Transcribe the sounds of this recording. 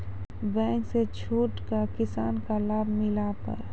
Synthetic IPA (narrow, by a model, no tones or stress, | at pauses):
bɛ̃ːŋkset͡ʃʰuːʈkakɪsa̰ːnkalaːbʱmɪlapə̰ɾ